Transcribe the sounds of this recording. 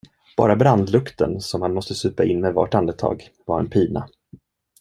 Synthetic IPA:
b̥ɑ̰ːɾabɾand̪lɵkt̪ə̰nsɔmhanmɔst̪əsʉ̟ːpaɪnːmɛva̰ʈand̪ət̪ʰɑ̰ːɡ | vaɾɛ̰npʰiːna̰

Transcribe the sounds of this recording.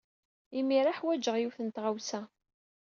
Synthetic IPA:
imiɾˤaħwæd͡ʒəʁjuθənt̪ʁawsæ

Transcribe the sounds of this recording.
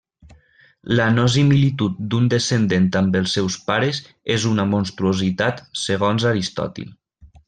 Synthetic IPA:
lənos̬imilit̪ut̪̚d̪und̪esend̪ent̪ambəlˠsːɛwspaɾez | ezunəmonst̪ɾuozit̪at̪seɣ̞ɔnzaɾist̪ɔ̰t̪ḭl

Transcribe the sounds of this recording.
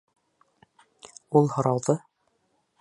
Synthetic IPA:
ulˠhŏɾɑwðɤ

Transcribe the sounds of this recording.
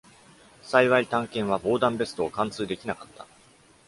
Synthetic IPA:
saiβait̪ãŋkẽ̞ɰ̃β̞abo̞ːd̪ãmbe̞sɨ̥t̪o̞ːkãnt͡sɨːd̪e̞kʲinakat̪ʰːa

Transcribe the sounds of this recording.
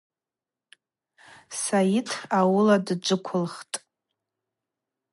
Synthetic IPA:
sajɪtʰawʊladd͡ʒʷɨkʷʰʊlχtʼ

